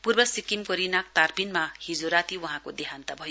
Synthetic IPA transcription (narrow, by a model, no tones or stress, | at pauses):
purbʌsikimkʌɾinak̚t̪arpinmahid͡zoɾat̪iwʌɦãkod̪eɦant̪abʱʌjo